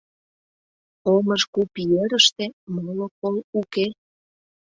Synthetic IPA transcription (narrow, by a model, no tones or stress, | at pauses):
oməʃkupijeɾəʃt̪emolokoluke